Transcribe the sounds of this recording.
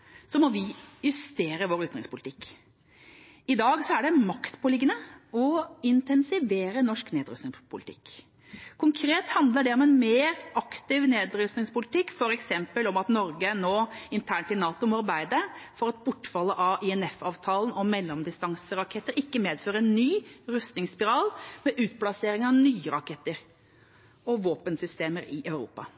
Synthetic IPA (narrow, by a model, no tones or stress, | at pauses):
sɔmɔʋɪjʉst̪eːɾəʋoːɾʉːt̪nʁɪŋspʊlɪt̪ɪkː | ɪd̪ɑːɡsɔæɖɛmɑkt̪pʰɔlɪɡːənəɔɪnt̪ɛnsɪʋeːɾənɔʂkneːd̪ɾʉst̪nɪŋpʰʊlɪt̪ʰɪ̰kː | kʰʊŋkʰɾeːt̪hɑnd̪ləɖɛɔmɛnmeːɾɑkt̪ɪʋneːd̪ɾʉsnɪŋspʊlɪt̪ɪkːfɔɾɛksɛmpəlɔmɑt̪nɔɾɡənoːɪnt̪ʰæːɳʈɪlnɑːt̪ʊmɔɑɾbæɪd̪əfɔɾɑt̪̚bʊʈːfɑlːəʔɑɪɛnɛfɑːʋt̪ʰɑːlənɔmɛlːɔmd̪ɪst̪ɑŋsəɾɑkʰɛt̪ːəɾɪkːəmeːd̪føːɾəɛnːyːɾʉst̪nɪŋspɪɾɑːlmɛʔʉːt̪̚blɑseːɾɪŋɑʋnyːəɾɑkʰɛt̪ːəɾ | ɔʋoːpənsʏst̪eːməɾɪʔɑʉɾṵːpɑ̰